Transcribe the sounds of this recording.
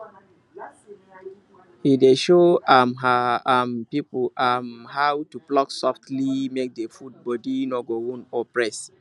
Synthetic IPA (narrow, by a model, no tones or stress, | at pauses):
hideʃoamɦaampipamhawtuplɔksɔftlimek̚defud̚bɔdinɔɡoũnɔpɹɛs